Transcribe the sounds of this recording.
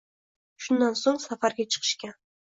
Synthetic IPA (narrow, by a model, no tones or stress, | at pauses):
ʃʊnːansoŋsafaɾɡʲat͡ʃʰə̥qʰə̥ʃkʲa